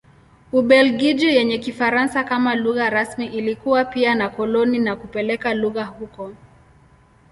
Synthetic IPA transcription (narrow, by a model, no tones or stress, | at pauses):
uɓɛlɡid͡ʒujɛɲɛkifaɾansakamaluɣaɾasmiʔilikuwapianakɔlɔninakupɛlɛkaluɣahukɔ